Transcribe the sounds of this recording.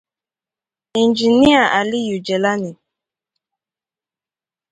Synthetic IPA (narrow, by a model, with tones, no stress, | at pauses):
i˨nd͡ʒi˨ni˦a˨ʔa˨li˦ju˨d͡ʒɛ˨la˦ni˨